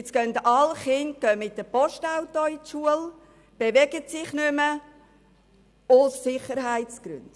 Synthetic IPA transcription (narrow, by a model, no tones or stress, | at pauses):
t͡sɡ̥œndɑlχɪnt̚ɡ̥œːmɪt̚dəpɔʃtaʊtɔitʃuəl | b̥eʋɛɡ̥ətsɪχnʏmə | ʊsːɪχəɾhaɪtsɡ̥ɾʉ̰nd̥